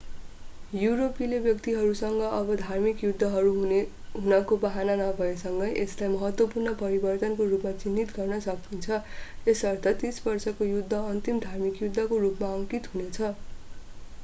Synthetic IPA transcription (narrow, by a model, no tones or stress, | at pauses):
juɾopilebjʌkt̪iɦʌɾusʌŋɡʌʔʌbʌd̪ʱarmikjud̪ʱːʌɦʌɾuɦ | ɦunʌkobʌɦananʌbʱʌesʌŋɡʌjʔeslajmʌɦʌt̪wʌpurnʌpʌɾibʌrt̪ʌnkorupmat͡sinːit̪ɡʌrnʌsʌknint͡sʰʌesʌrt̪ʰʌt̪isbʌrsʌkojud̪ʱːʌʌnt̪imd̪ʱarmikjud̪ʱːʌkorupmaʌŋkit̪ɦunet͡sʰʌ